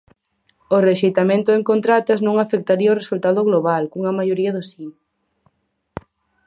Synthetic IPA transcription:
oreʃejt̪amẽnt̪ʊeŋkont̪ɾat̪ɐznõŋafek̚t̪aɾiɐoresult̪aðʊɣloβalkuŋɐmajoɾiɐðʊsin

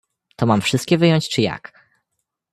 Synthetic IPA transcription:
t̪ɔmamfʂɘst̪̚kʲɛvɘjɔɲt͡ɕt͡ʂɘja̰k

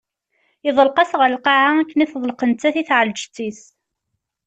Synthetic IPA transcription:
iðˤəlqɑsʁəllqɑʕaækːəniθðˤəlqənt͡s̪ːæθiθʕəld͡ʒt͡sːis

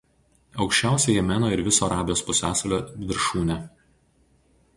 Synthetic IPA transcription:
ɒʊkʃʲt͡ʃʲæˑʊsʲɛjɛmʲæːnoːɪɾʋʲɪsoːɐɾɑːbʲɪjoːspʊsʲæːsɐlʲoːʋʲɪɾʃuːnʲɛ

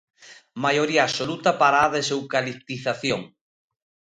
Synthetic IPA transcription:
majoɾiaːssolut̪apaɾaðesewkalipt̪iθaθjoŋ

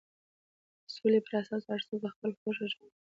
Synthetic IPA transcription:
solepəɾasɑsaɽsobaxpəlxoʒaʒa

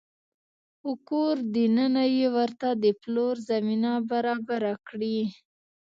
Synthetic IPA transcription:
ʊkoɾd̪inənajewəɾt̪ad̪əploɾzaminabaɾɑbaɾakɽi

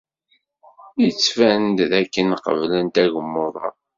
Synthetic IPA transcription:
jət͡sːfænd̪ðækːənqə̰vlənt̪æʝəmːoðˤɑ̰ˤ

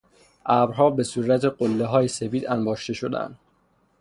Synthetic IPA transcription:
ʔæbɾɦɒːbe̞suɾæt̪ʰeɢolːeɦɒːjese̞piːd̪ænbɒːʃt̪e̞ʃo̞d̪æ̰nd̪̥

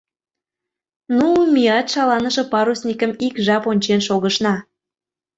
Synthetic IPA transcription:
numijɑt̪ʃɑlɑnəʃĕpɑɾusnʲikə̆mikʒɑponʲt͡ɕenʃoɣəʃnɑ

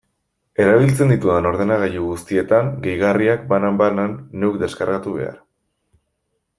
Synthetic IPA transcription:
e̞ɾaβ̞ilt͡se̞nd̪it̪uðano̞ɾð̞e̞naɣ̞aʎuɣust̪ie̞t̪aŋɡe̞jɣariakbanambananːewkd̪e̞skaɾɣat̪uβe̞̰a̰ɾ

